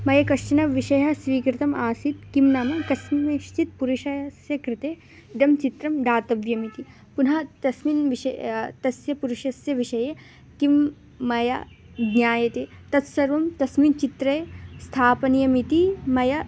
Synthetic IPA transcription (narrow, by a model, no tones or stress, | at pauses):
mɐjɐkɐʂt͡ʃɐnɐʋiʃɐjɐsʋiːkɾɪt̪ɐmaːsit̪kimnaːmɐkɐsminɐʃt͡ʃit̪̚puɾuʃɐjsjɐkɾɪt̪eː | d̪ɐmt͡ʃit̪ɾɐmd̪aːt̪ɐʋjɐmit̪i | punɦɐt̪ɐsminʋiʃɐt̪ɐsjɐpuɾuʃɐsjɐʋiʃɐje | kimː | ɐjɐ̰ | ɡɲjaːjɐt̪et̪ɐt̪sɐɾʋɐmt̪ɐsmint͡ʃit̪ɾɐjst̪ʰaːpɐnijɐmit̪imɐjɐ